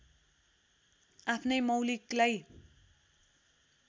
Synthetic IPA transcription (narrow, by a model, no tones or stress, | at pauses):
apʰnʌjmʌwliklaj